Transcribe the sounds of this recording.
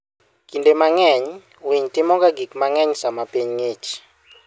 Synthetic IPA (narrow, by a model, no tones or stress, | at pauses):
kindemaŋɛɲ | wiɲtɪmɔkaɡikmaŋɛɲsamapiɲŋet͡ʃ